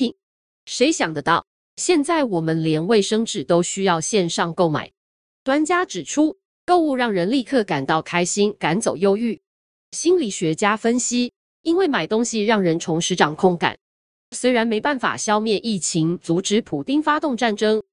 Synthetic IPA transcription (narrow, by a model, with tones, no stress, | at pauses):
ʂe˧˥ɪɕjɑ˨˩ŋd̪ə˦t̪ɑ˥˩ʊ | ɕjɛ˥˧nt͡sa˥˩ɪwɔ˨˩mə˦nljɛ˧˥nwe˥˩ɪʂɤ˥ŋʈ͡ʂɻ̩˨˩t̪o˥ʊɕy˥jɑ˥˧ʊɕjɛ˥˧nʂɑ˥˧ŋko˥˩ʊma̰˨˩˦ɪ | t̪wa˥nt͡ɕja˥ʈ͡ʂɻ̩˨˩ʈ͡ʂʰu˥ | ko˥˧ʊu˥˧ɻɑ˥˩ŋɻə˧˥nli˥˧kʰɤ˥˩ka˨˩nt̪ɑ˥˩ʊkʰa˥ɪɕi˥nka˧˥nt͡so˨˩ʊjo˥ʊy˥˩ | ɕi˥nli˨˩ɕɥɛ˧˥t͡ɕja˥fə˥nɕi˥ | i˥nwe˥˩ɪma˨˩ɪt̪ʊ˥ŋɕi˨ɻɑ˥˩ŋɻə˧˥nʈ͡ʂʰʊ˧˥ŋʂɻ̩˧˥ʈ͡ʂɑ˨˩ŋkʰʊ˥˩ŋka̰˨˩˦n | swe˥ɪɻa˧˥nme˧˥ɪpa˥˩nfa̰˨˩ɕjɑ˥˧ʊmjɛ˥˧nʔi˥˩t͡ɕʰi˧˥ŋt͡su˧˥ʈ͡ʂɻ̩˧˥pʰu˨˩t̪i˥ŋfa˥t̪ʊ˥˧ŋʈ͡ʂa˥˩nʈ͡ʂɤ˥ŋ